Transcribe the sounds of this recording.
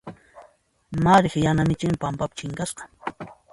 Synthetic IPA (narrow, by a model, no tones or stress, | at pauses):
maɾɪχjanamɪt͡ʃɪmɪpampapḁt͡ʃɪŋkasqɑ̥